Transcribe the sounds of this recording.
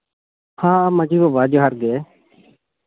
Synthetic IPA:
hãːməd͡ʒiːʋoːʋaːd͡ʒoːɦəɾɡeː

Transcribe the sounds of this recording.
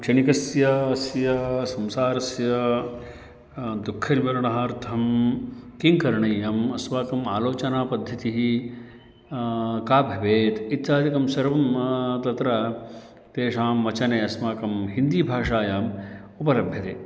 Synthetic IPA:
kt͡ʃɐnikɐsjɐsjɐsɐmsaːɾɐsjɐ | d̪ukʰːɐɾʋɐɾɐɳɐɦaːɾt̪ʰɐm | kiŋkɐɾɳɐjːɐmɐsʋaːkɐmaːloːt͡ʃɐnaːpɐd̪ʱːɐt̪iɦi | kaːbʱjɐʋeːt̪it̪t͡ʃaːd̪ikɐmsɐɾʋɐmt̪ɐt̪ɾɐ | t̪eːʂaːmʋɐt͡ʃɐneɐsmaːkɐmɦind̪iːbʱaːʂaːjaːmupɐlɐbʱjɐt̪eː

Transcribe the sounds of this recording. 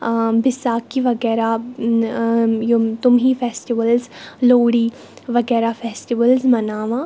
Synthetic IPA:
bɪsaːkiʋɐɡɛːɾa | jt̪ʊmɦifɛːsʈɪʋəlzloːɽi | ʋɐɡɛːɾafɛːsʈɪʋəlzmɐnaːʋãː

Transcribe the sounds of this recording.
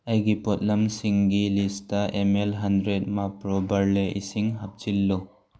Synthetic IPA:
ajɡipɔt̚lɐmsiŋɡilistaʔemelɦandɾet̚mapɾɔbɐɾleʔḭsiŋɦap̚t͡ʃilːo

